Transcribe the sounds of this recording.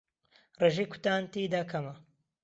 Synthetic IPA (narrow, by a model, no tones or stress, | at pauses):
reʒikʰu̥t̪aːnt̪iːd̪akʰɐmɐ